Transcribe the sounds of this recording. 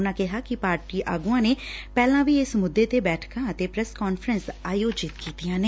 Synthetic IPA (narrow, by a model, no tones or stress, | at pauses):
ʊnãːkɪɦaːkɪpaːɾʈiːʔa̰ːɡuãːneːpɛːlãːʋiːɪsmʊd̪ːeːt̪eːbɛːʈʰkãət̪eːpɾɛskɔːnfɾənsaːjoːd͡ʒɪt̪kiːt̪ijãːneː